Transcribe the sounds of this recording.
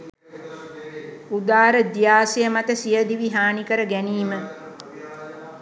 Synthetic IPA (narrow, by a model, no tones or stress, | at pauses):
ud̪aːɾəd̪ijaːsejəmat̪əsijəd̪iʋiɦaːnikəɾəɡæniːmə